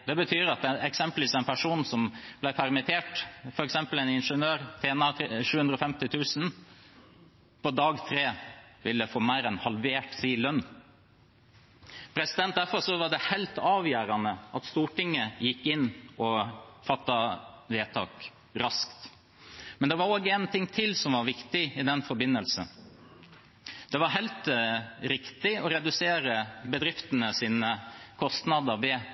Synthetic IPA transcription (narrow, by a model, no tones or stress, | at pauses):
d̪ɛbət̪ʰyːɾɑt̪ɛɛksɛmpəlʋiːsɛɪnpʰæʂuːnsɔmb̥læɪpʰæɾmɪt̪ʰeːʈfɔɾɛksɛmpəl̩ɛnɪnʂənøːɾt̪ʰeːnɑʂʉːʉnd̪ɾəɔfɛmt̪ɪt̪ʰʉːsn | pʰɔd̪ɑːɡt̪ʰɾeːʋɪlːəfoːmæɪɾɛnhɑlʋeːʈsiːlœnː | pʰɾɛsɪd̪ɛnt̪̚d̪æɾfɔɾʂɔʋɑɖɛhɛɪlt̪ɑːʋjæːɾɑnəʔɑt̪st̪uːʈɪŋːəjɪkːɪnːɔfɑt̪ːɑʋeːt̪ʰɑ̰ːk | ɾɑskt̪ | mɛnd̪ɛʋɑɾoːɡəɛnt̪ʰɪŋt̪ʰɪlsɔmʋɑɾʋɪkt̪ɪɪd̪ɛnfɔɾbɪnːəlsə̰n | d̪̥ɛʋɑɾɦæɪlt̪ɾɪkt̪ɪɔɾɛd̪ʉseːɾəbəd̪ɾɪft̪ənəsiːnəkʰɔst̪nɑd̪əɾʋe